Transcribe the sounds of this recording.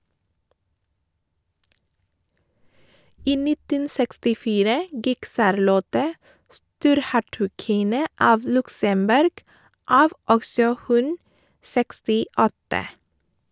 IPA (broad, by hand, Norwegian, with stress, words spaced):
ˈiː ˈnɪtən sɛkstɪˈfiːɾə ˈɡɪk ˈsɑɾˌlɔtə ˈstuːɾˌhæʈʉˌkɪnə ˈɑːʋ ˈlʉksəmˌbʉɾɡ ˈɑːʋ ˈɔɡsɔ ˈhʉn sɛkstɪˈɔtə